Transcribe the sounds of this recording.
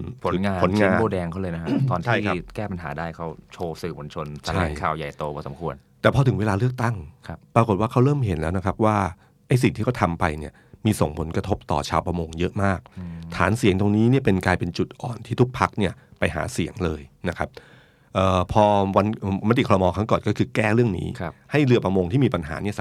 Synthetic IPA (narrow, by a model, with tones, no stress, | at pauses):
pʰːŋaː˧o˩˦nŋaː˦˧nboː˧dɛː˧ŋkʰa˥˩˨lɤː˧jna˦˥kʰa˥ɔː˧nt̪ʰːjkʰa˦kɛː˥˩pa˧nɦaː˩˦daː˥˩jkʰa˦˥wt͡ɕʰoː˧sɯː˨˩mo˧˦nt͡ɕʰo˧nt͡ɕʰa˧aɛ̰ː˨˩ŋkʰaː˨˩wja˨˩jt̪oː˧bɔː˧˩sa˨˦mkʰu˧ən | t̪ɛː˨˩pʰɔː˧ɯ˨˩˦ŋweː˧laː˧lɯ˥˩ək̚t̪a˥˩ŋkʰa˦˥p̚pɾa˧k̬o˨˩t̪̚waː˥˩kʰa˦˥wɾɤː˥˩mɦe˨˩˦nlɛː˦˥wna˦˥kʰa˦˥p̚waː˥˩ | ʔa˥˩js̬i˨˩ŋt̪ʰiː˥˩ɔ˥˩t̪ʰa˧mpa̰˧jni˥˩ɐmiː˧so˨˩˦ŋpʰo˩˦nkɾa˧t̪ʰo˦˥p̚t̪ɔ̰ː˨˩t͡ɕʰaː˧wpɾa˧moː˧ŋjɤ˦˥ʔmaː˥˩k̚t̪ʰaː˩˦nsi˨˩˦əŋt̪o˧ŋniː˦˥ni˥˩ɐpe˧nklaː˧jpe˧nt͡ɕu˨˩t̪̚ʔɔ̰ː˨˩nt̪ʰiː˥˩t̪ʰu˦˥k̚pʰa˦˥k̚ni˥˩ɐpa˧jɦa̰ː˩˦si˩˦əŋlɤː˧jna˦˥kʰa˦˥p̚ | ʔəː˨˩pʰɔː˧wa˧nː˨˩ma˦˥t̪i˨˩kʰːɾɔ˧mɔː˧kʰa˦˥ŋkɔː˨˩nkɔː˥˩kʰɯː˧kɛː˥˩ɾɯ˥˩əŋnḭː˦˥˦ha˥˩jlɯ˧˩əpɾa˧moː˧ŋt̪iː˥˩miː˧pa˧nɦa̰ː˩˦ni˥ɐs